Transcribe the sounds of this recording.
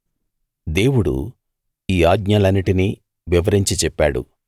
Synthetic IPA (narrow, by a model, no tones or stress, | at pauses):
d̪e̞ːwuɽṵ | iːaːɡɲɐlɐnːiʈini | ʋiʋɐɾiɲt͡ʃit͡ʃɛpːaːɽṵ